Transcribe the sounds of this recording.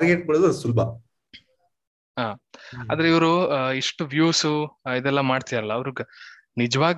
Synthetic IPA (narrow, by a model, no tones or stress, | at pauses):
ɾɡeʈ̚koɽed̪ɐsulbʱɐ | ɦaːa̰ːd̪ɐɾeiʋɐɾuiʂʈuʋjuːsuid̪ɛlːɐmaːɖt̪id̪aɾɐlːɐːʋɐɾuɡe | nid͡ʒɐʋaːɡ